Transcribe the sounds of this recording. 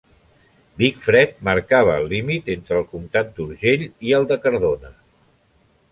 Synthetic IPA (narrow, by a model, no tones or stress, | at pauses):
bikfɾɛt̪̚məɾkaβ̞əːlːimit̪ent̪ɾəːlˠkumt̪at̪̚d̪uɾʒeʎiəlˠd̪əkəɾðonə